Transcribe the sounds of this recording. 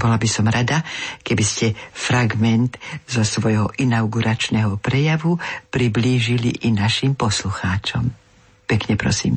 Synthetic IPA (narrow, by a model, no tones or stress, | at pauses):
bɔlabisɔmɾad̪akɛbiscɛfɾaɡmɛnt̪zɔsʋɔjɦɔʔinaʊɡuɾat͡ʃnɛɦɔpɾɛjaʋupɾibliːʒilḭʔinaʃimpɔsluxaːt͡ʃɔm | pɛkɲɛpɾɔ̰sḭːm